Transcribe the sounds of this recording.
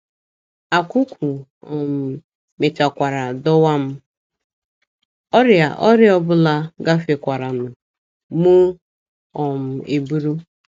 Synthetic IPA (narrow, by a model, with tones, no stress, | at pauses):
a˨ku˦kʷʰu˨ɔ˨m̩˨ | mɪ˨t͡ʃa˨kʷa˨ɾa˨dɔ˦wa˦m̩˦ | ɔ˦ɾja̰˨ʔɔ˦ɾjɔ˦bʊ˦la˦ɡa˦fe˨kʷa˨ɾa˨nʊ˨ | mu˦ | ɔ˨m̩˨e˨bu˦ɾu˦